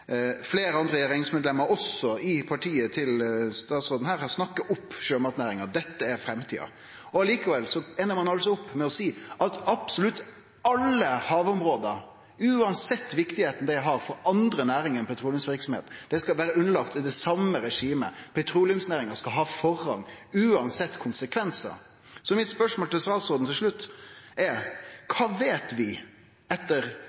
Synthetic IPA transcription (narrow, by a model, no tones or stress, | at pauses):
fleːɾəɑnd̪ɾəjæɾɛnɪŋsmɛd̪lɛmːəɾɔsːɔɪpʰɑʈʰiːət̪ʰɪlst̪ɑːt̪sɾoːd̪n̩hæːɾhɑsnɑkːɑɔpːɕøːmɑt̪næːɾɪŋəd̪ɛt̪ːəæɾfɾɛmt̪ʰḭːɑ̰ | ɔɑliːkəʋɛlsɔɛnːəɾmɑnɑlsɔʊpːmɛɔsiːɑt̪ɑb̥sɔlʉt̪ː | ɑlːəhɑːʋʊmɾoːd̪əɾ | ʉːɑnsɛt̪ːʋɪkt̪ɪheːt̪ən̩d̪ɛæɪɦɑɾfɔɾɑnd̪ɾənæːɾɪŋənpʰɛt̪ʰɾuːljəmsʋɪɾksɔmhḛːt̪d̪̥ɛskɑʋæːɾəʉnəlɑkt̪ɪd̪ɛsɑmːəɾɛʂiːmə̰pʰɛt̪ʰɾuːlɪjmsnæːɾɪŋəskɑlɦɑːfɔɾhɑŋː | ʉːɑnsɛt̪ːkʰʊnsəkʰʋɛnsə̰ɾ | sɔmɪt̪spœʂmoːlt̪ʰɪlst̪ɑːt̪sɔɾd̪n̩t̪ɪlʂɭʉt̪ːʔɛɾkʰɑːʋeːt̪ʋɪ | ɛt̪ːəɾ